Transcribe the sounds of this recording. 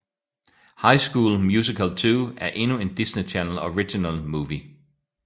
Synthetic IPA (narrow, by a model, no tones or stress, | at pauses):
hɑ̈ɪsɡ̥uːlmjuːs̬ikʰəlt͡sʰuːæɐʔe̝nue̝nd̥isnit͡ʃʰænl̩ɒʁid̥inælmuːʋi